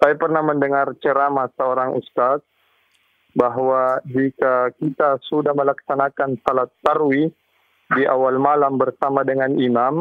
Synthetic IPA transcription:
sajapərnahməndəŋart͡ʃəɾamasəoɾaŋṵst̪at̪̚ | baɦwad͡ʒikakit̪asudahməlaksanakansalat̪ːarwi | diʔawalmalambərsamadəŋanimam

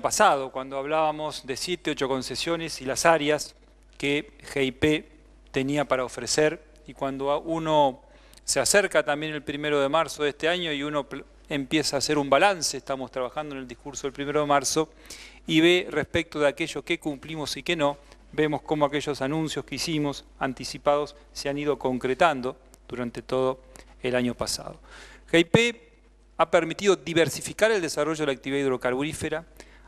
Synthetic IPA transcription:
pasaðokwand̪oaβ̞laβamo̞zðe̞sjet̪eo̞t͡ʃo̞ko̞nse̞sjo̞nesilasaɾjas | kexeipe | t̪eniapaɾaofɾeseɾ | ikwand̪ouno̞ | seaseɾkat̪ambje̞ne̞lpɾimeɾoðe̞maɾsoðest̪eaɲo̞iuno̞ | empje̞saːseɾumbalanseːst̪amo̞st̪ɾaβaxand̪oeneld̪ihkuɾsoðelpɾime̞ɾo̞ðemaɾso̞ | iβe̞respek̚t̪oð̞eakeʒo̞skekumplimosikeno̞ | be̞mo̞sko̞moakeʒo̞sanũnsjo̞skeisimo̞sant̪isipaðo̞sːeaniðo̞ko̞ŋkɾet̪and̪o̞ | ð̥uɾant̪e̞t̪o̞ð̞o | elaɲo̞pasa̰ðo̞xejpe | apeɾmit̪iðo̞ðiβeɾsifikaɾeld̪esaro̞ʒoðelak̚t̪iβiðaiðɾo̞kaɾβuɾifeɾa

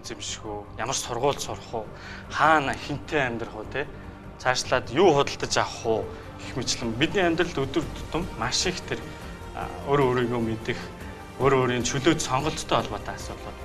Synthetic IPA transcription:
t͡semʃɣuːjamə̆rsʊrʁʊːɮsʊr̆χʊː | χaːnaxen̥t̪ʰeːæmʲt̪ə̆rχʊːt̪ʰeː | t͡sʰaʃɮaːt̪juːχʊt̪ə̆ɬt̪ə̆t͡ɕaχʊː | exmet͡ɕɮɘ̆mpit̪niːæmʲt̪rə̆ɮt̪ɵt̪ɵ̆rt̪ʰʊ̥t̪ə̆mːaʃɪ̆kt̪ʰer | oːɾoːɾiːɣoːmet̪ɘ̆x | oːɾoːɾiːnt͡ɕʰɵɮoːt̪sɔɴɢɞ̆ɬt̪ʰːœːɔɮpɔːt̪ʰaːasʊːt̪ɮə̆ːt̪

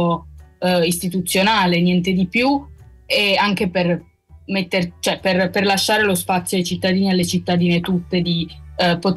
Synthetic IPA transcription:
o | ist̪it̪ut̪sːjonaːlenjɛnt̪ed̪ipju | eaŋk̟eper | met̪ːeɾt͡ʃoɛperperlaʃːaːɾelospat̪sːjodejt͡ʃit̪ːad̪iːnealːet͡ʃit̪ːad̪iːnet̪ut̪ːed̪ipot̪

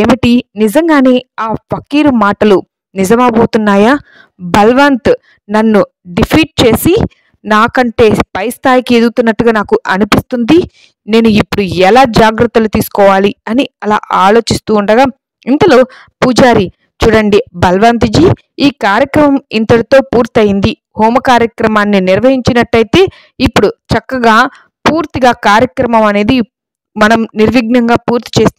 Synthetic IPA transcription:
eːmiʈinizɐŋɡaːne̞ːaːpʰɐkːiːɾumaːʈɐlu | nizɐmaːboːt̪unːaːjaː | bɐlʋaːnt̪ | nɐnːu | ɖipʰiːʈ̚t͡ʃe̞ːsi | naːkɐɳʈe̞ːpɐjst̪ʰaːjikied̪uɡut̪unːɐʈːuɡaːnaːkuʔɐnipist̪und̪i | ne̞ːnuipːuɽuɛlaːd͡ʒaːɡɾɐt̪ːɐlut̪iːsu̥kɔːʋaːliɐniɐla̰ːʔaːlo̞ːt͡ʃist̪uːɳɖɐɡaː | int̪ɐlo̞ː | puːd͡ʒaːɾi | t͡ʃuːɽɐɳɖibɐlʋaːnt̪̬id͡ʒiː | iːkaːɾjɐkɾɐmɐmint̪ɐɽit̪o̞ːpuːɾt̪iɐjind̪i | hoːmɐkaːɾjɐkɾɐmaːnːiniɾʋɐɦiɲt͡ʃinɐʈːɐjt̪e̞ː | ipːuɽut͡ʃɐkːɐɡaː | puːɾt̪iɡaːkaːɾjɐkɾɐmɐmɐne̞ːd̪i | mɐnɐmniɾʋiɡnɐŋɡaːpuːɾt̪i̥t͡ʃe̞ːst̪

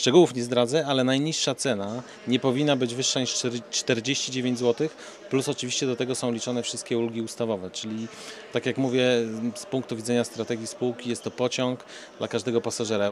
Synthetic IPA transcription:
ʂt͡ʂɛɡuwufɲɛzd̪ɾad̪zɛalɛnajɲiʂːat̪sɛna | ɲɛpɔvʲinːabɘd͡ʑvɘʂːaɲiʂt͡ʂt̪ɛɾd͡ʑeɕt͡ɕid͡ʑevʲẽɲd͡ʑzwɔt̪ɘx | plusɔt͡ʂɘvʲiɕt͡ɕɛd̪ɔt̪ɛɡɔsɔ̃w̃lʲit͡ʂɔnɛfʂɘ̥ɨst̪̚kʲɛulɡʲiust̪avɔvɛt͡ʂɘlʲi | t̪akʲjakmuvʲjɛspuŋk̚t̪uvʲidzɛɲast̪ɾat̪ɛɡʲjispuwkʲijɛst̪ːɔpɔt͡ɕɔ̃ŋk | d̪lʔakaʐd̪ɛɡɔpasaʐɛɾa

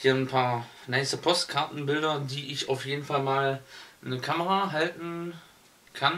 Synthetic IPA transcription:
iːɐnpʰaːɐ | naɪstəpʰɔstkʰaɐtn̩bɪldɐdiːʔɪçaʊfjeːdn̩falmaːlnəkʰaməʁaɦaltn̩ | kʰan

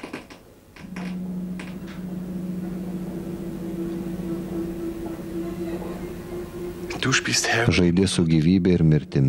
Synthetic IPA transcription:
d̪̥uʃpiːst̪hɛʒɐɪd̪ʲɪsʊɡʲiːʋʲiːbʲɛɪɾmʲɪɾʲt̪ʲɪmʲ

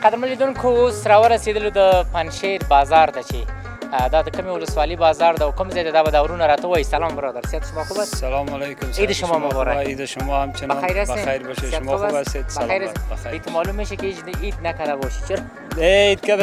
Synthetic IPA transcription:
qad̪əɾməled̪unkʰoosɾɑwəɾased̪əlod̪əpanʃeɾbɑzɑɾd̪at͡ʃe | d̪ɑd̪əkəmewʊləswɑlibɑzɑɾd̪awkəmzajd̪ad̪ɑbad̪awɾunaɾɑt̪əwɑjisalɑmbəɾɑd̪aɾsjat̪ʃʊmɑxubassalɑmalejkʊmid̪əʃʊmɑmʊbɑɾaid̪aʃʊmɔhamt͡ʃɪnbaajɾasaajɾboʃeʃmbabased̪sbaaajɾaebait̪mɑlumeʃikeed͡ʒid̪nakad̪aboʃi̥t͡ʃʊɾ | eid̪kad̪

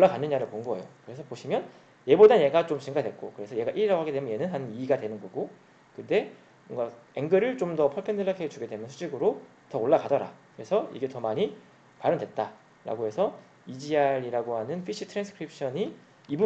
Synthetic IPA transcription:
oɭːakanːɯɲaɾɯɭpoŋɡoḛjo̰kɯɾe̞sʰʌpoɕʰimjʌn | je̞bodaje̞ɡat͡ɕomt͡ɕiŋɡadwe̞t̚k͈okɯɾe̞sʰʌje̞ɡaʔiɾiɾaɡoɦaɡedemjʌje̞nɯnɦanɯniːɡadwe̞nɯnɡʌɡo | kɯnde̞ | mʌŋɡae̞ŋɡɯɾɯɭt͡ɕomdʌpʰʌɭpʰendɯɭːakʰeet͡ɕuɡe̞dwe̞mjʌnsʰud͡ʑiɡɯɾo | tʌoɭːakadʌɾa̰kɯɾe̞sʰʌḭɡe̞tʌmaɲi | paɾɯmdwe̞t̚t͈a | ɾa̰ɡoɦe̞sʰʌ | id͡ʑiaɾiɾaɡoɦanɯnpʰiɕʰitʰɾansʰɯ̥kʰɯɾip̚ʰɕ͈ʰʌɲi | ibu

